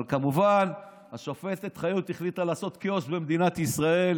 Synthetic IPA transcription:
kamuvan | haʃofe̞tet̪χajut̪iχlit̪alaːso̞t̪koʃbe̞md̪inat̪isʁae̞l

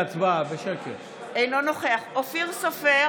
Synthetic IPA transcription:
t͡sbabeʃekeʁ | ejnonoχeaχofiʁsofe

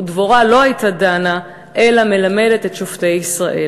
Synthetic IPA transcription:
dvoʁalo̞ɦajtadana | ʔelame̞lame̞de̞tetʃofte̞jisʁaʔe

